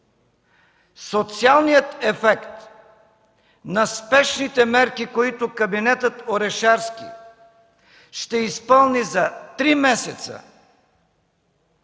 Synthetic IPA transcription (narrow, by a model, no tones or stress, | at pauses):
sot̪sialˠnijət̪ɛfɛkt̪ | nɐspɛʃnit̪ɛmɛɾkikoit̪okɐbinɛt̪ət̪oɾɛʃaɾskḭ | ʃt̪ɛispɤlˠnizɐt̪ɾimɛsɛt̪sə̰